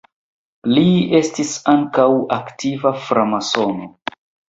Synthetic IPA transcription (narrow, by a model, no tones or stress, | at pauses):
lie̞stisaŋkawaktivafɾamaso̞no